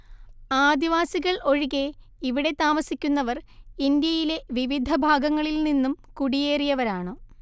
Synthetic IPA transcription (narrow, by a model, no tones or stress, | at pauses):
aːd̪iʋaːsiɣɐɭo̞ɻiɣe̞ | iʋiɽe̞t̪aːmɐsikʲːunːɐʋɐrind̪jɐjile̞ʋiʋid̪ʱɐbʱaːɡɐŋːɐɭilninːumkuɽije̞ːrijɐʋɐɾaːɳɨ